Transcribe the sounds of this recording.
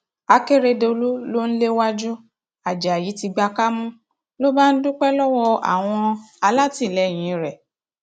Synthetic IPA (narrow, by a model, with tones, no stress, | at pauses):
a˧ke˦ɾe˧de˧o˧lu˦lo˦n̩˦le˦wa˦d͡ʒu˦ | a˨d͡ʒa˨ji˨˦ti˧ɡ͡ba˧ka˦mũ˦ | lo˦ba˦n̩˦dũ˦k͡pɛ˦lɔ˦wɔ˧a̰˨w̃ɔ̃˧a˧la˦ti˦˨lɛ˨˦˨j̃ĩ˨˦ɾɛ˨